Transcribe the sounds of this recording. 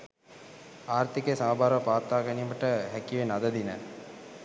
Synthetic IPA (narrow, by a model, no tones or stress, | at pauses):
aːrt̪ikesambʱaːɾʋəpaːt̪ːaːkɐniːməʈəɦækiʋenad̪əd̪inə